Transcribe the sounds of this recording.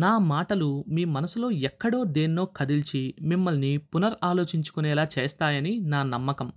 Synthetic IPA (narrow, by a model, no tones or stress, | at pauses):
naːmaːʈɐlumiːmɐnɐsulo̞ːjɛkːɐɽo̞ːd̪eːnːo̞ːkʰɐd̪ilt͡ʃimimːɐlnipunɐɾaːlo̞ːt͡ʃiɲt͡ʃu̥kunɛːlaːt͡ʃeːst̪aːjɐninaːnɐmːɐkɐm